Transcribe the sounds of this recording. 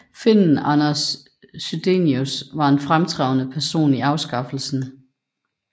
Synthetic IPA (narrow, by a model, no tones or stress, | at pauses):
fen̰n̩ɑnɐsː | yd̥ḛniusʋɑ̈e̝nfʁamt͡sʰʁɑ̈ʊnəpʰæɐso̝̰ːniɑ̈ʊsɡ̥ɑ̈fl̩sn̩